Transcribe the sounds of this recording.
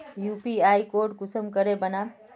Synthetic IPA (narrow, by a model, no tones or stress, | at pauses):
jupiajkoɾɖkusəmkəɾebəna